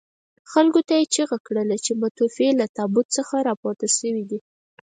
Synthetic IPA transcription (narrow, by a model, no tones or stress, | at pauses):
xalkot̪ajet͡ʃiɣakɽəlat͡ʃemat̪ufelat̪ɑbʊt̪̚t͡səxaɾɑpɑt̪əʃəwid̪i